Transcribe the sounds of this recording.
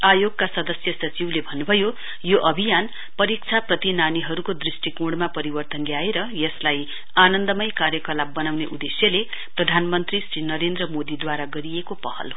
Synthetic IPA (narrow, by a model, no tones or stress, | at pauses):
ajoɡ̚kasʌd̪ʌsjʌsʌt͡siwlebʱʌnːubʱʌjo | joʔʌbʱijan | pʌɾik̚t͡sʰaprʌt̪inaniɦʌɾukod̪risʈikoɽmapʌɾibʌrt̪ʌnɡjaeɾʌjʌslaj | anʌnd̪ʌmʌjkarjʌkʌlabːʌnawneʔud̪esjʌle | prʌd̪ʱanmʌnt̪risrinʌɾend̪rʌmod̪id̪waɾaɡʌɾiekopʌhʌ̰l